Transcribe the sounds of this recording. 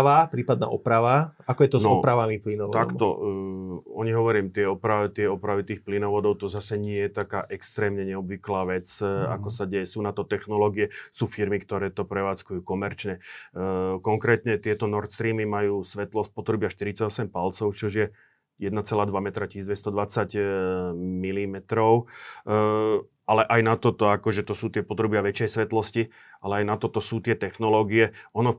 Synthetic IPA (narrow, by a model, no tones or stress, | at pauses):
ʋapɾiːpad̪na̰ːʔɔpɾaʋaakɔjɛt̪ɔznɔpɾaʋamiplinɔʋɔt̪a̰kmt̪ɔ̰ | ɔɲiɦɔʋɔɾiːmt̪ɪɛɔpɾat̪ɪɛɔpɾaʋit̪iːxplinɔʋɔd̪ɔʊt̪ɔzasɛɲɪɛjɛt̪aka̰ːʔɛkst̪ɾɛːmɲɛɲɛɔbʋiklaːʋɛt͡sa̰kɔsaɟɛjɛsuːnat̪ɔt̪ɛxnɔlɔɡiɛsuːfiɾmikt̪ɔɾɛːt̪ɔpɾɛʋaːt͡skujuːkɔmɛɾt͡ʃɲɛ | kɔŋkɾɛːt̪ɲɛt̪ɪɛt̪ɔnɔɾt̪st̪ɾiːmimajuːsʋɛt̪lɔsc̚pɔt̪ɾubɪaʃt̪iɾit͡saɟɔsɛmpalt͡sɔʊt͡ʃɔʒjɛ | jɛd̪nat͡sɛlaːd̪ʋamɛt̪ɾacid̪ʋɛst̪ɔd̪ʋat͡saɟ | milimɛt̪ɾɔʊ | alɛʔajnat̪ɔt̪ɔakɔʒɛt̪ɔsuːt̪ɪɛpɔt̪ɾubɪaʋɛt͡ʃɛjsʋɛt̪lɔsci | ʔalɛajnat̪ɔt̪ɔsuːt̪ɪɛt̪ɛxnɔlɔːɡiɛɔnɔ